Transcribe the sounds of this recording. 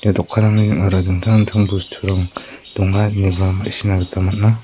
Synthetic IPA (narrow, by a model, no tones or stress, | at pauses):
jadɔkʰːaɾaŋiŋaɾaduŋtʰaŋntʰaŋbustʰuɾaŋd̥ɔŋhat̚nibama̰sinaɡɯtʰamat̚na